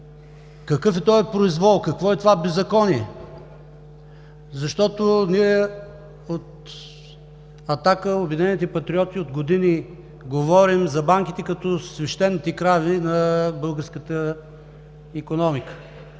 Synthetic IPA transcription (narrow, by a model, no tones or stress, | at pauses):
kɐkɤfɛt̪ɔɛpɾoizvɔlˠkɐkvɔɛt̪ovabɛzːɐkɔniɛ | zɐʃt̪ɔt̪ʊniɛ | ot̪ | ɐt̪akəobid̪inɛnit̪ɛpɐt̪ɾiɔt̪iod̪ɡod̪ini | ɡovɔɾimzɐbaŋkit̪ɛkɐt̪ɔsvɛʃt̪ɛnːit̪ɛkɾavinɐbɤlˠɡəɾskət̪ə | ikonɔmikə̥